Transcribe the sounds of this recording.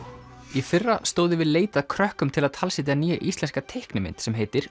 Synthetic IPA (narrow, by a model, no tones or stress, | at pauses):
ifɪrːast̪oːwðɪvɪðleːjt̪aðkʰɾœhkʏmt̪ʰɪlaðt̪ʰalsɪt̪̬janiːjaʔist̪lɛnskat̪ʰehknɪmɪ̰nt̪sɛmɦeːjt̪ɪɾ̥